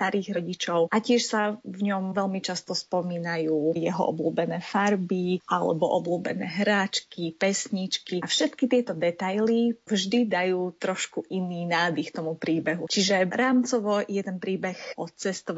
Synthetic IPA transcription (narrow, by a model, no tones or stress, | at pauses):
t̪aɾiːɣɾɔɟit͡ʃɔʊʔacɪɛʃsavɲɔmʋɛlmit͡ʃast̪ɔspɔmiːnajuːjɛɦɔ̰ʔɔ̰bluːbɛnɛːfaɾbiʔalɛ̰bɔʔɔbluːbɛ̰nɛ̰ːɦɾaːt͡ʃkipɛsɲit͡ʃkiafʃɛt̪kit̪ɪɛt̪ɔd̪ɛt̪ajlivʒd̪id̪ajuːt̪ɾɔʃkuʔiniːnaːd̪ixt̪ɔmupɾiːbɛɦut͡ʃiʒɛɾaːmt͡sɔʋɔjɛt̪ɛnpɾiːbɛxɔt͡sɛst̪ɔʋ